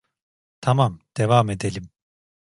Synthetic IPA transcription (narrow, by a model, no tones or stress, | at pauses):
t̪ʰamamd̪̥evamed̪elʲim